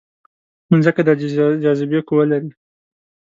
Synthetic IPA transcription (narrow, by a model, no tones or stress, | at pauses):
nnzəkad̪ɑd͡ʒɑzɪbekowəlaɾi